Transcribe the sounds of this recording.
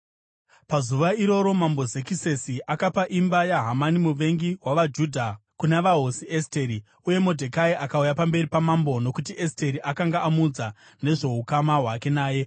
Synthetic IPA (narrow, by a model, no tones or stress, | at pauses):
pazuʋaiɾo̞ɾo̞mambo̞zekise̞siʔakapaʔimbajaɦamanimuʋe̞ŋɡiɦwaʋad͡ʒudʱakunaʋaɦo̞siʔesteɾi | uje̞mo̞dʱekaiʔakaujapambe̞ɾipamambo̞no̞kutiʔeste̞ɾiʔakaŋɡaːmud͡za | ne̞ʐe̞ɦukamaɦwake̞naːje̞